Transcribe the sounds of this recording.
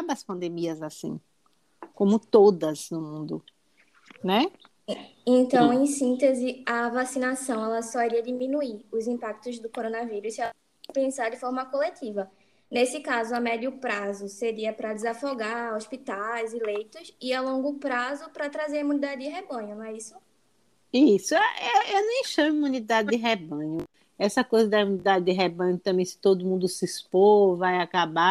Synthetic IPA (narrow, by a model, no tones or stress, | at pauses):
abɐspɐ̃nd̪emiɐzasḭ̃ | kõmʊt̪od̪ɐznʊmũnd̪ʊ | nɛ | ẽt̪ɐ̃w̃ẽj̃sĩnt̪ezɪɐvasinasɐ̃w̃ɛlɐsɔiɾiɐd̪imĩnuiɾʊzĩpak̚t̪ʊzd̪ʊkoɾõnɐviɾussiɛl | pẽsaɾd̪ɪfɔɾmɐkolet̪ivɐ | nesɪkazʊɐmɛd̪iʊpɾazʊseɾiɐpɾɐd̪ɪzafoɡaɾospit̪ajzilejt̪ʊziawlõŋɡʊpɾazʊpɾɐt̪ɾazeɾɐimũnid̪ad̪ɪd̪ɪɦebɐ̃ɲʊñɛisʊ | isʊɛʔɛewnẽj̃ʃɐ̃miumũnid̪ad̪ɪd̪ɪɦebɐ̃ɲʊ | ɛsɐkojzɐd̪ɐimũnid̪ad̪ɪd̪ɪɦebɐ̃ɲʊt̪ɐ̃mbẽj̃sɪ̥t̪od̪ʊmũnd̪ʊsɪspovajakaba